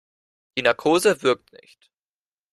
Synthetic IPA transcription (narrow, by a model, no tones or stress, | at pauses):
d̥iːnaɐkʰoːzəvɪɐk̚tnɪ̰çt